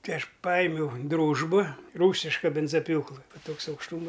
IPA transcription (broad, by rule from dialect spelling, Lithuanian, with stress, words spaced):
ˈtɐɪ ɐʃ ˈpɐɪmʲɛʊˈdruːʒbɐ ˈruːsʲɪʃkɐ ˈbʲɪnzɐˈpʲjuːklˠɨ ˈʋɐ ˈtoːks ɐʊkʃˈtuːmɐ